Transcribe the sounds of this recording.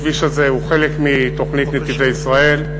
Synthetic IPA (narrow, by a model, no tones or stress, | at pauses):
viʃazeuχe̞lekmit̪o̞χnit̪net̪ivejisʁae̞l